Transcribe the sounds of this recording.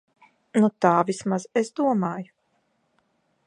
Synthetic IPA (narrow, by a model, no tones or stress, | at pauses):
nut̪aːvʲismazesd̪uɔmaːju